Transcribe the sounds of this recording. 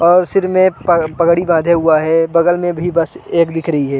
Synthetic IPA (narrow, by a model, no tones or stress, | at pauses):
ɔːɾsɪɾmẽpəpɐɡɽibãːd̪ʱeɦʊaɦɛbɐɡəlmẽbʱibɐseːkd̪ɪkʰɾɐɦiɦɛː